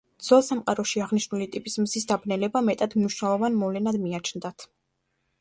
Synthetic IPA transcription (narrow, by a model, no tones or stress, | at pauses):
d̪zɛlˠsamqʼaɾɔʃiaʁniʃnulit̪ʼipʼismzisd̪abnɛlɛbamɛt̪ʼad̪mniʃnalˠɔvanmɔvlɛnad̪miat͡ʃʰnd̪at̪ʰ